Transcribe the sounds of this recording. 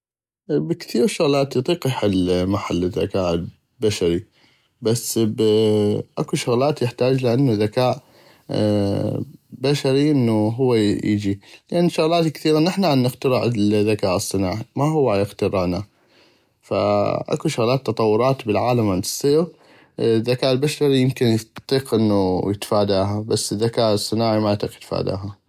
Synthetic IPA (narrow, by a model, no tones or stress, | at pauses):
bəkθiːɾʃʊɣlaːt̪jt̪ˤiːqjħɪlmaħalːɪðːa̰kaːʔ | baʃaɾi | basːb | ʔakuʃʊɣlaːt̪jɪħt̪aːd͡ʒlɪʔanːuðakaːʔ | baʃaɾiʔɪnːuɦʊwːajɪ̰d͡ʒilɪʔanːʃʊɣlaːt̪kθiːɾanɪħnaʕanːɪɣt̪aɾɪʕðːakaːʔɨsˤːɨnaːʕimaɦʊwːajɪɣt̪ɑɾɪʕna | fa̰ʔa̰kuʃʊɣlaːt̪ːɑt̪ˤɑwːʊɾˤɑːt̪bɪlʕaːlamʕand̪ɨsˤːiːɾ | ðːakaːʔlbaʃaɾijɪmkɪnjt̪ˤːiːqʔɪnːujɪt̪faːd̪aːɦabasːɪðːakaːʔɨsˤːɨnaːʕimat̪ˤɪqjɪt̪fa̰ːd̪a̰ːɦa